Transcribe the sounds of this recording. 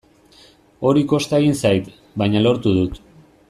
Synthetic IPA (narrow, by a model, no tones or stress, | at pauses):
o̞ɾiko̞st̪aeɣinsajt̪ | bajɲalo̞ɾt̪uðut̪